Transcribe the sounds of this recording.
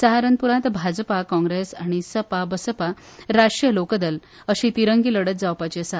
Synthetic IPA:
saɦaɾənpuɾãt̪bʱad͡zpakɔ̃ŋɡɾesaɽ̃isəpabəsəpa | ɾaʂʈɾjəlokd̪əl | əɕiːt̪iɾəŋɡiləɽət̪̚d͡zawpat͡ɕesa

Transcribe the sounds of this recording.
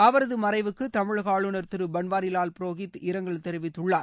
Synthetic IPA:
ɐʋɐɾɐðɯmɐɾɐɪʋɯkːɯt̪ɐmɪɭɣaːɭɯnɐɾt̪ɪɾɯbɐnʋaːɾɪlaːlpɪɾoːɣɪt̪ːɪɾɐŋɡɐɭt̪ɛɾɯʋɪt̪ːɯɭːaːɾ

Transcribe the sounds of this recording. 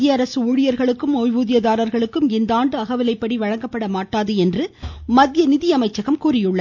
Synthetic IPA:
jɐːɾɐsɯuːɻɪjɐɾɣɐɭɯkːɯmoːjʋuːðɪjɐðaːɾɐɾɣɐɭɯkːɯmɪnd̪aːɳɖɯɐɣɐʋɪlɐɪpːɐɽiʋɐɻɐŋɡɐpːɐɽɐmaːʈːaːðɯɛndrɯmɐd̪jɐnɪðɪjɐmɐɪt͡ʃːɐɣɐmkuːrɪjɯɭːɐ

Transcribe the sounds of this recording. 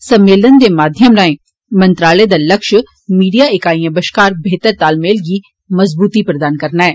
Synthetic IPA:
səmːeːlənd̪eːmaːd̪ʱjəmɾaːẽː | mənt̪ɾaːleːd̪aːləkʃ | miːɖijaːɪkaːijãːbəʃkaːɾbʱeːt̪əɾt̪aːlmeːlɡiː | məzbuːt̪ipɾəd̪aːnkəɾnaːɛː

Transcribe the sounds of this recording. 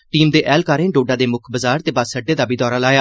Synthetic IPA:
ʈiːmd̪eːʔɛːlkaːɾẽːɖoːɖaːd̪eːmʊkʰbəzaːɾt̪eːbaːsəɖːeːd̪aːbiːd̪ɔːɾaːlaːjaː

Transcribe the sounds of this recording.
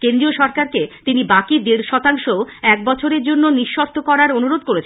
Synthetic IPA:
kend̪ɾioʃɔɾkaɾket̪inibakid̪iɾʃɔt̪aŋʃoɛk̚bɔt͡ɕʰoɾeɾd͡ʑonːoniʃːɔɾt̪ʰokɔɾaɾonuɾod̪̚koɾet͡ɕʰ

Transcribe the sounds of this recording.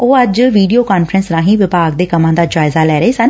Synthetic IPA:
oːəd͡ʒʋiːɖijoːkaːnfʰɾənsɾãːɦĩːʋɪpaːɡd̪eːkəmãːd̪aːd͡ʒaːɪzaːlɛːɾəeːsən

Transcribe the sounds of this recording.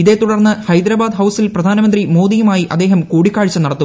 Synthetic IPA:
iðe̞t̪uɽɐrnːɨhɐjd̪ɾɐbaːd̪ɦɐwsilprɐd̪ʱaːnɐmɐnd̪rimo̞ːd̪ijumaːjiʔɐd̪ːe̞ːɦɐmkuːɽikːaːɻit͡ɕːɐnɐɽɐt̪ːu

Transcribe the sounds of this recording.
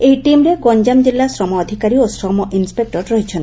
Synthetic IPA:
eɦjʈimɾeɡɔɲd͡ʒamd͡ʒilːasɾɔmɔːd̪ʱikaɾiosɾɔmɔʔinspek̚ʈɔɾɾɔɦit͡ʃʰɔnt̪

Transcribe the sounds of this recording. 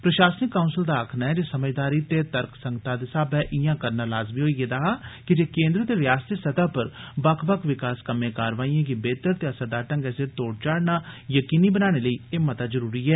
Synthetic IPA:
pɾəʃaːsənɪkːaːunsəld̪aːkʰnaːɛːd͡ʒeːsəməd͡ʒd̪aːɾiːt̪eːt̪əɾkʰsəŋɡt̪aːd̪esaːbɛːʔɪjãːkəɾnaːlaːzmiːɦoːiːɡeːd̪əɦaːkɪd͡ʒeːkẽːnd̪ɾət̪eːɾɪjaːst̪isət̪aːpəɾbəkʰbəkʋɪkaːskəmẽːkaːɾʋaːijãːɡibeːt̪əɾt̪jaːsəd̪aːʈə̃ŋɡɛːsɪɾt̪oːɽt͡ʃaːɽnaːjəkiːniːbənaːɽ̃eːləiːeːmət̪aːzəɾuːɾiːɛː

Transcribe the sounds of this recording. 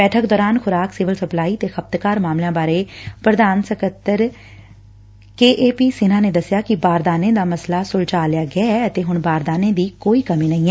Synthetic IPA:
bɛːʈʰəkd̪ɔːɾaːnxʰʊɾaːksɪʋəlsəplaːiːt̪eːxəb̚t̪kaːɾmaːmlãːbaːɾeːpɾəd̪aːnsəkət̪ːəɾ | keːʔeːpiːsɪnãːneːd̪əsːɪjaːkɪbaːɾd̪aːnẽːd̪aːməslaːsʊlt͡ʃaːlɪjaːɡɪaːɛːət̪eːɦʊnbaːɾd̪aːnẽːd̪iːkoːiːkəmĩːnəĩːɛː

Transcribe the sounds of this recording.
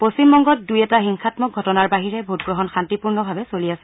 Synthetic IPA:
posimbɔŋɡɔt̚dujɛtaxiŋxatmɔk̚ɡʱɔtɔnaɹbaɦiɹɛbʱutɡɹɔɦɔnxantipuɹnɔbʱabɛsoliasɛ̥

